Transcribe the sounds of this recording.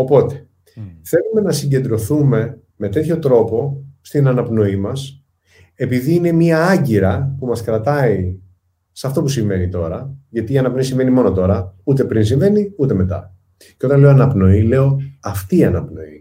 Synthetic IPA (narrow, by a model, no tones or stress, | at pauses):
o̞po̞t̪e̞̥ | θe̞lume̞nɐsiɲɟe̞nd̪ɾo̞θume̞ | me̞t̪e̞t̪ço̞t̪ɾo̞po̞st̪inɐnɐpno̞imɐs | e̞piðiːne̞miɐɐɲɟiɾɐpumɐskɾɐt̪ɐi | sɐft̪o̞pusiɱve̞nit̪o̞ɾɐʝɐt̪iːɐnɐpno̞isiɱve̞nimo̞no̞t̪o̞ɾɐut̪e̞pɾins̬iɱve̞niut̪e̞me̞t̪ɐ̰ | ceot̪ɐnle̞oɐnɐpno̞ile̞o̞ɐft̪iːɐnɐpno̞̰ḭ